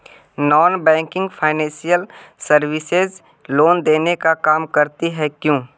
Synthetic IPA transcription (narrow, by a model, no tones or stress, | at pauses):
nɔːnbɛ̃ːŋkɪ̃ŋɡpʰaːɪnɛ̃ːsijəlsəɾwɪsez | loːnd̪eːnekakaːmkəɾt̪iɦɛkjõː